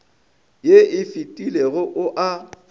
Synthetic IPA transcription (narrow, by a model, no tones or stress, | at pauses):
jeɪfitʼileɣʊʔʊʔa